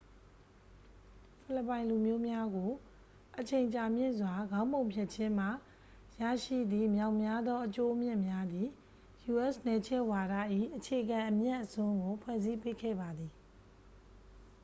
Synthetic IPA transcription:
pʰɪ˦˨lə˨pːã˨ɪ̃lu˨mjo˦mja˦ɡo˨ | ʔət͡ɕʰẽ˨ɪ̃ɲt͡ɕa˨mjɪ̰̃˦˨nzwa˨ɡã˦ʊ̃mbõ˨ʊ̃mpʰjɛ˦˨ʔt͡ɕʰɪ̃˦m̥a˦˨ | ja̰˦˨ʃḭ˦˨d̪ðḭ˦˨mja˦˨ʊʔmja˦d̪ðɔ˦ʔət͡ɕo˦ʔmjɪ̰̃˦˨mja˦d̪ði˨ | ju˨ʔɛ˦snɛ˨t͡ɕʰɪ̃˦ʔwa˨ɾa̰˦˨ʔḭ˦˨ʔət͡ɕʰe˨ʔəɡã˨ʔəmja˦ʔəsʊ̃˦ŋɡo˨pʰwɛ˦˨zi˦pe˦˨kʰɛ̰˦˨ba˨d̪ði˨

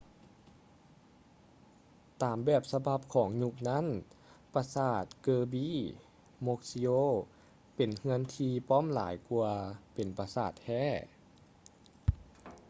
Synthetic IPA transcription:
t̪aː˨˩mbɛː˨˩p̚sa˧ba˧˩p̚kʰɔː˨˩˦ŋɲu˧k̚na˦˥˨npa˧saː˧˩t̪̚kɤː˧biː˧˥˨ | mo˧k̚si˧oː˧˥ | pe˨˩nhɯ˧ənt̪ʰiː˧pɔː˥˨mla̰ː˩˦jku˧ɐpe˨˩npa˧saː˧˩t̪̚hɛː˧˥˨

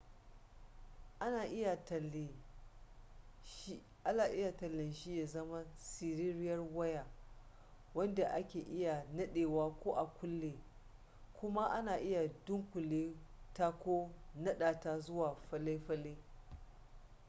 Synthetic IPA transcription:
ʔa˦naː˨ʔɪ˦ja˨tl | ʔa˦naː˨ʔɪ˦ja˨tɐ˨lːɪ˨nʃi˦ja˨zɐ˦ma˦si˨ɾɪ˦ɾɪ˦jɐ˦rwɐ˦ja˨ | wɐ˦nda˨ʔa˦kʲeː˨ʔɪ˦ja˨nɐ˦ɗeː˨waː˦kʷoː˦ʔa˨kʷʊ˦lːeː˨ | kʷʊ˦ma˦ʔa˦naː˨ʔɪ˦ja˨dʊ˦ŋkʷʊ˨leː˦ta˦kʷoː˦nɐ˦ɗaː˨ta˦zʊ˦waː˨ɸɐ˦le˦ɸɐ˦le˦

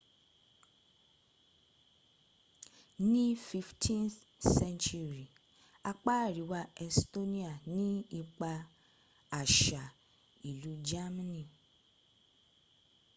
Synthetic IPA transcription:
nĩ˦fi˧ftʰĩ˦n | sɛ̃˦nt͡ʃu˦˧ɾi˨ | a˧k͡pa˦˨ɾi˨˦wa˧ɛ˧sto˦nĩ˦a˨nĩ˦i˧k͡pa˧ | a˨ʃa˨ | i˨lu˨˦d͡ʒa˦ma˦nĩ˨

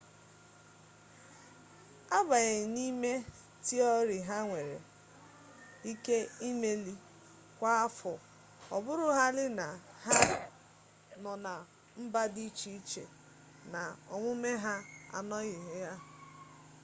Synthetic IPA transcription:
a˦ba˨ɣɪ˨ni˦me˦ | ti˦ɔ˦ɾɪ˨ɦa˦ŋʷe˨ɾḛ˨ | i˦ke˦i˦me˦li˦ | kʷa˦a˦fɔ˨ | ɔ˨bʊ˦ɾʊ˦ɦa˦lɪ˦na˨ha˦ | nɔ˨na˨ | m̩˦ba˦di˦t͡ʃi˦t͡ʃḛ˨ | na˨ɔ̰˨ŋʷʊ˦me˦ɦa˦a̰˨nɔ˦ɣɪ˨ɦe˨ja˦

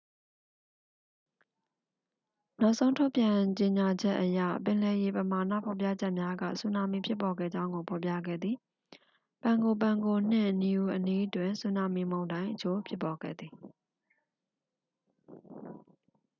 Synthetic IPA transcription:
na˦ʊʔsʰõ˦ʊ̃ntʰo˦ʊpjã˨t͡ɕe˨ɲa˨d͡ʑɛ˦ʔːəja̰˦˨pɪ̃˨lɛ˨je˨pəma˨nä̰˦˨pʰɔ˨p̬ja̰˦˨d͡ʑɛ˦ʔmja˦ɡa̰˦˨su˦˨na˨mḭ˦˨pʰjɪ˦pːɔ˨ɡɛ̰˦˨d͡ʑã˦ʊ̃ŋɡo˨pʰɔ˨pja̰˦˨ɡɛ̰˦˨d̪ði˨ | pã˨ŋɡo˨p̬ã˨ŋɡo˨n̥ɪ̰̃˦˨ʔni˨u˨ʔəni˦ʔtwɪ̃˨nsu˦na˨mi˦˨mõ˨ʊ̃ndã˦ɪ̃ʔət͡ɕʰo˦pʰjɪ˦pːɔ˨ɡɛ̰˦˨d̪ði˨

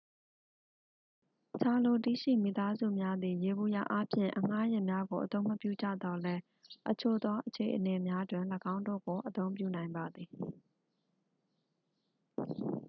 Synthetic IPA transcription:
t͡ɕʰa˨lo˨tḭ˦˨ʃḭ˦˨mi˨t̪a˦zṵ˦˨mja˦d̪ði˨je˨bu˨ja̰˦˨ʔa˦pʰjɪ̰̃˦˨ʔəŋ̥a˦jɛ˦˨mja˦ɡo˨ʔət̪õ˦ʊ̃məpjṵ˦˨d͡ʑa̰˦˨d̪ɔ˦lɛ˦ | ʔət͡ɕʰo˨d̪wa˦ʔət͡ɕʰe˨ʔəne˨mja˦dwɪ̃˨ləɡã˦ʊ̃ndo̰˦˨ɡo˨ʔət̪õ˦ʊ̃mpjṵ˦˨nã˨ɪ̃mba˨d̪ði˨

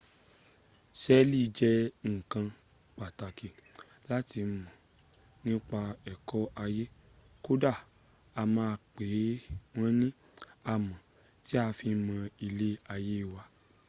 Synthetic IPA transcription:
sɛ˦li˦˨˧d͡ʒɛ˦ŋ̩˨kã˧ | k͡pa˨ta˨ke˨ | la˦ti˧mã˨ | nĩ˦k͡pa˧ɛ˨kɔ˦a˧je˦ | ko˦da˦˨ | a˧mãː˧k͡pe˨˦w̃ɔ̃˦nĩ˦ | a˧˨mã˨ | ti˦a˧fi˧˦mã˧i˧le˦a˧je˦i˦˨wa˧

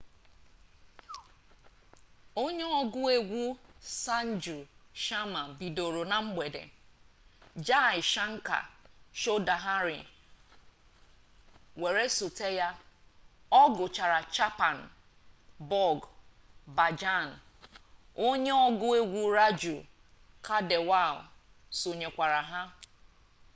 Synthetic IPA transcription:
o˦ɲe˦ɔ˦ɡʊ˦e˦ɡʷu˦sa˦n̩˦d͡ʒu˨ʃa˦ma˨bi˨do˨ɾo˨na˨ŋ͡m̩˦ɡ͡be˨dḛ˨ | d͡ʒa˦˨ɪ˨ʃa˦ŋ̩˦ka̰˨ʃo˦da˨ɦa˦ɾɪ̰˨ | we˨ɾe˦su˨te˦ja˦ | ɔ˦ɡʊ˨t͡ʃa˨ɾa˨t͡ʃa˦pa˨n̩˨ | bɔ˦˨ɡ | ba˨d͡ʒa˦˨n̩˨ | o˦ɲe˦ɔ˦ɡʊ˦e˦ɡʷu˦ɾa˦d͡ʒu˨ | kʰa˦de˨wa˦˨l | so˨ɲe˨kʷa˨ɾa˨ɦa˦

